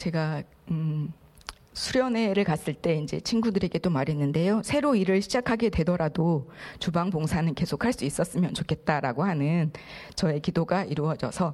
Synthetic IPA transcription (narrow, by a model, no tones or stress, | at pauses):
t͡ɕe̞ɡa | ɯ | sʰuɾjʌne̞ɾɯɭkas͈ɯɭt͈e̞ind͡ʑe̞̰t͡ɕʰinɡudɯɾe̞ɡe̞t͈omaɾenːɯnde̞josʰe̞ɾoiɾɯɭɕʰid͡ʑakʰaɡe̞dwe̞dʌɾadot͡ɕubaŋpoŋsʰanɯnke̞sʰokʰaɭs͈uis͈ʌs͈ɯmjʌnt͡ɕokʰe̞t̚t͈aɾaɡohanɯn | t͡ɕʌe̞kidoɡaʔiɾuʌd͡ʑʌ̰sʰʌ